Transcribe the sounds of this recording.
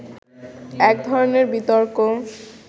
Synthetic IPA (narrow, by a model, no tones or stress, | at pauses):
ɛk̚d̪ʱɔɾoneɾbit̪oɾko